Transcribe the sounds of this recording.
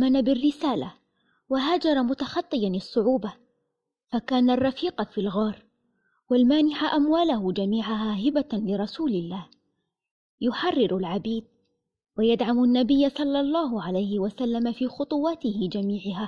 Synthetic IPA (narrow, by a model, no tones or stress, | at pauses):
manabɪrːɪsaːla | waɦaːd͡ʒɑɾˤɑmʊt̪axɑt̪ˤːɨjanɪsˤːʊʕuːba | fakaːnarˤːɑfiːqfilɣɑːɾ | walmaːnɪħaʔamwaːlahʊd͡ʒamiːʕaɦaːɦɪbalɪɾˤɑsuːlɪlːaːh | jʊħɑrˤːɪɾalʕabiːd̪̚ | wajad̪ʕamanːabɪjːasˤɑlːɑlˤːɑːɦʊʕalajhɪwasalːamafiːxʊt̪ˤʊwɑt̪ɪhɪd͡ʒamiːʕɪɦaː